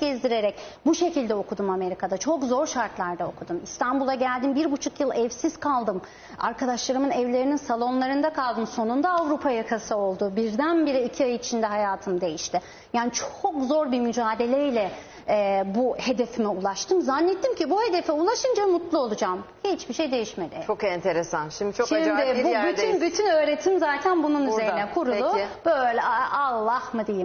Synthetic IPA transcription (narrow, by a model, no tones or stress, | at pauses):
ɟɛzd̪iɾe̞ɾɛc̚ | buʃe̞cilʲd̪ɛo̞kʰud̪umame̞ɾikʰad̪at͡ʃʰo̞kzo̞ɾʃaɾt̪lˠaɾd̪ao̞kʰud̪umist̪ʰanbulˠaɟælʲd̪imbiɾbut͡ʃʰukjɯlˠɛvsiz̥kʰalˠd̪ɯm | a̰ɾkʰad̪aʃlˠaɾɯmɯnɛvlʲe̞ɾininsalˠo̞nlˠaɾɯnd̪akʰalˠd̪ɯmso̞nund̪aːvɾupʰajakʰasɯo̞lˠd̪ubiɾd̪ænbiɾiːcʰiajɯit͡ʃʰind̪ɛɦajaːt̪ʰɯmd̪e̞jiʃt̪ɪ | jaːnit͡ʃʰo̞kzo̞ɾbimyd͡ʒaːd̪e̞lʲɛilʲɛ | buhe̞d̪e̞fimiulˠaʃt̪ʰɯmzanːet̪ʰːimcʰibuhe̞d̪e̞fɛulˠaʃɯnd͡ʒamut̪lˠuo̞lˠud͡ʒam | hit͡ʃbiʃe̞jd̪e̞jiʃme̞d̪ʲɪt͡ʃʰokɛnt̪ʰeɾesanʃimd̪it͡ʃʰoʃimd̪ɪbubyt̪ynbyt̪ʰynø̞ːɾe̞t̪ʰimzaːt̪ʰænbununyzeɾnɛkʰuɾullˠubøjlʲɛalˠːahmɯd̪ejim